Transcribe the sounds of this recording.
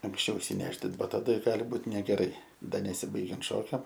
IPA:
ɐŋksʲˈt͡ʃʲɛʊ ɪʃʲsʲɪˈnʲæːʒʲdʲɪnt ˈbɐ tɐˈdɐ ˈɡɑːlʲɪ ˈbuːt nʲɛɡʲɛˈrɐɪ ˈdɐ nʲɛˈsʲiːbɐɪɡʲɛnt ˈʃoːkʲɛm

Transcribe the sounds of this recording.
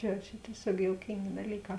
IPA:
jɛʊ ˈt͡ʃʲɛ tʲiɛˈsʲoːk joːʊˈkʲɪŋʲɡʲeː dɐˈlʲiːˌkɑː

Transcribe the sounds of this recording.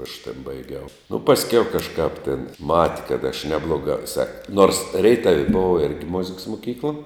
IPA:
ɐʃ tʲeːn bɐɪˈɡʲɛʊ nʊ pɐsʲˈkʲɛʊ kɐˈʃkɑːp tʲeːn ˈmɑːtʲɪ kɐt ɐʃ ˈnʲæːblˠoːɡɑː ʋʲɪˈsɐɪ noːrs ˈrʲɛɪtɐw ˈboːʋɐ ˈɪrʲɡʲɪ ˈmoːzʲɪks mʊˈkʲiːklˠɐ

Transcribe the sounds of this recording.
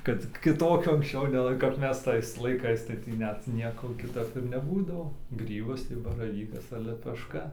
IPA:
kɐt kʲɪˈtoːkʲoː ɐŋksʲˈt͡ʃʲɛʊ nʲɛˈlˠɐɪ kɐp ˈmʲɛs ˈtɐɪs lˠɐɪˈkɐɪs tɐɪ ˈtʲiː ˈnʲɛt ˈnʲiɛkoː kʲɪˈtɐp ɪr nʲɛˈbuːdɐʋoː ˈɡrʲiːbɐs tɐɪ bɐrɐˈʋʲiːkɐs ɐr lʲɛpʲɛʃˈkɐ

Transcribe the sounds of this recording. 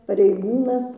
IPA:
pɐrʲɛɪˈɡuːnɐs

